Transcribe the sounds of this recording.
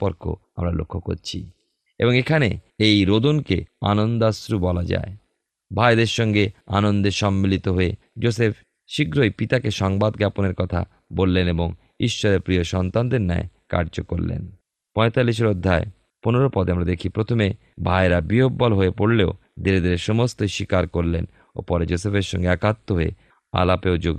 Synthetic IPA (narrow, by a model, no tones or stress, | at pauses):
poɾkʰo̰ | amɾalo̰kʰːoko̰ɾt͡ɕʰḭ | eboŋekʰane | ejɾod̪onkea̰nond̪asɾubɔlad͡ʑa̰e | bʱaed̪eɾʃɔŋɡea̰nond̪eʃɔmːilit̪oɦoe | d͡ʑosepʰ | ʃiɡɾojpit̪akeʃɔŋbad̪ɡaponeɾkɔt̪ʰa̰ | bolːeneboŋ | iʃːoɾeɾpɾioʃɔnt̪and̪eɾna̰ḛka̰ɾd͡ʑoko̰ɾlḛn | pɔet̪alːiʃ̬eɾod̪ʱːae | poneɾopɔd̪eamɾad̪ekʰipɾot̪ʰome | bʱaeɾabɾiɦobːɔlɦoepoɾleo | d̪iɾed̪eɾeʃɔmost̪oʃikaɾkoɾlen | o̰pɔɾed͡ʑosefʰeɾʃɔ̰ŋɡeakat̪ːoɦoḛ | a̰lapeod͡ʑoɡ